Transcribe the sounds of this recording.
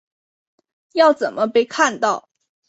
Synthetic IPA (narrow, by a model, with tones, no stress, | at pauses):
jɑ˥˩ʊt͡sə˨˩nmə˦pe˥˧ɪkʰa˥˧nt̪ɑ˥˩ʊ